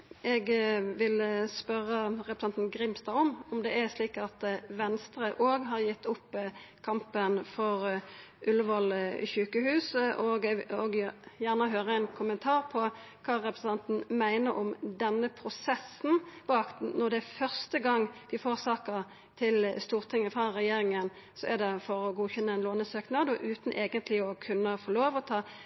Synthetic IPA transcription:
ɛɡʋɪlspœʁəʁɛpɾəsɑnt̪nɡɾɪmst̪ɑɔmɔmd̪ɛæsliːkɑt̪ʋɛnst̪ɾəʔoːɡɦɑʁjɪt̪ːʊpː | kʰɑmpənfɔʁ | ʔʉlːəʋɑlçʉːkəhʉːsʔoɡoɡjæʁnəɦøːʁəɛnkʰʊmənt̪ʰɑːʁpʰɔ | kʰɑːʁɛpɾsn̩ɑnt̪n̩mæɪnəɾɔmd̪ɛnːəpʰɾʊsɛsn̩pɔɑkt̪n̩nɔʁd̪ɛæfœʁst̪əɡɑŋːd̪̥ɪfoːʁsɑːkəʁ | t̪ʰɪlst̪uːʁt̪ʰɪŋːəfʁɑʁɛjeːɾɪŋən | sɔʔɛd̪ɛfɔɾɔɡuːçɛnːəɪnloːnəsøːknɑd̪ɔʔʉːt̪n̩ʔeːɡənt̪ʰlɪɔkʰʉnːəfɔloːʋɔt̪ʰɑː

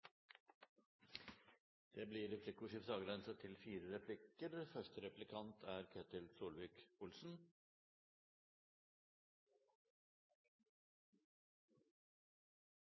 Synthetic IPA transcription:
d̪̥eːbliːɾɛpʰlɪkʊʂɪfsɑːɡɾɛnsət̪ʰɪlfiːɾəɾɛpʰlɪkəɾfœʂtəɾɛplɪkʰɑnt̪ʰæːɾkʰeːt̪ɪlsuːlʋɪːkʊlsn̩

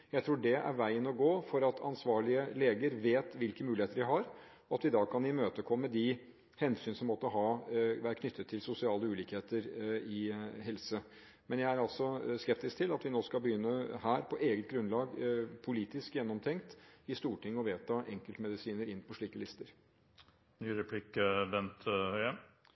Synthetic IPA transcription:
jæɪt̪ʰɾuːɖɛʔæ̰ɾʋæɪənɔɡoːfɔɾɑt̪ʰɑ̰nsʋɑːɭɪəleːɡəɾʋeːt̪ʋɪlkəmʉːlɪheːt̪əɖɪɦɑɾ | ɔɑt̪ʋɪd̪ɑːkʰɑnɪmøːt̪əkʰɔmːəd̪ɪ | hɛnsyːnsɔmːɔt̪ːəɦɑːʋæːɾəkʰnʏt̪ʰːət̪ʰːɪlsʊsɪɑːləʉːliːkheːt̪əɾɪɦɛlsə | mɛnjæɪæɾɑlsɔskɛp̚t̪ɪskt̪ʰɪlɑt̪ʋɪnoːskɑlbəjʏnːəhæːɾpʰɔʔeːɡət̪̚ɡɾʉnlɑːɡpʰʊliːt̪ɪskjɛnːɔmt̪ʰɛŋkt̪ɪst̪uːʈʰɪŋːɔʋeːt̪ʰɑʔɛŋkəlt̪mɛd̪ɪsiːnəɾɪnːpʰɔʂɭiːkəlɪst̪əɾ | nyːɾɛpʰlɪkəbɛnt̪hœʏə

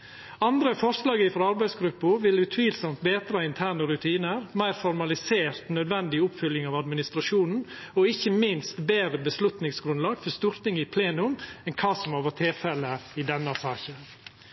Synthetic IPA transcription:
ɑnd̪ɾəfɔɾslɑːɡəɪfɔɾɑɾbæɪsɡɾʉpːʊɾʋɪlʉt̪ʰʋiːlsɔmt̪̚beːt̪ɾɑɪnt̪ʰæːɳəɾʉt̪ʰiːnəɾmæɪɾfɔɾmɑlɪseːɾt̪nœd̪ʋɛnd̪ɪʊpfʏlːɪŋɑːʋɑd̪mɪnɪst̪ɾɑʂuːnn̩ɔɪçːəmɪnst̪beːɾəbəslʉt̪nɪŋsɡɾʉnlɑːɡfɔst̪uːɾt̪ɪŋɪpʰleːnʉmɛnkʰɑːsɔmæʋoːt̪ʰɪlfɛləɪd̪ɛnːɑsɑːçə

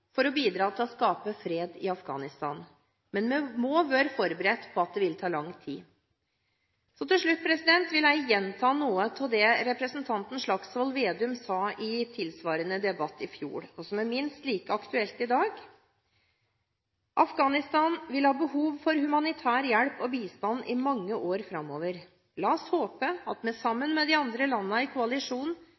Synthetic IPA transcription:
fɔɾɔbiːd̪ɾɑːt̪ʰɪlɔskɑːpəfɾeːd̪ɪɑfɡɑ̰ːnɪst̪ɑ̰ːn | mɛnmɛmoːʋøːɾfɔɾbəɾɛt̪ːpʰɔɑt̪̚d̪ɛʋɪlt̪ʰɑːlɑŋːt̪ʰiː | sɔt̪ʰɪlʂɭʉt̪̚ːpʰɾɛsɪd̪ɛnt̪ʋɪlæɪjɛnt̪ʰɑːnuːət̪ʰɪld̪ɛɾɛpɾəsnt̪ʰɑnt̪n̩ʂɭɑksʋɔlʋeːd̪ɪʉmsɑːʔɪt̪ʰɪlsʋɑːɾənəd̪ɛbɑt̪ːɪfjṵːɽɔsɔmæɾmɪnst̪liːkəɑkt̪ʉɛlt̪ɪd̪ɑːɡ | ʔɑfɡɑːnɪst̪ɑːnʋɪlhɑːbəhuːʋfɔɾhʉmɑnɪt̪ʰæːɾjæɽpɔbiːst̪ɑnːʔɪ̰mɑŋːəʔoːɾfɾɑmːoːʋəɾ | lɑːshoːpəɑt̪mɛsɑmːənmɛd̪ɪɑnd̪ɾəlɑnːəɪkʰʊɑlɪʂuːn

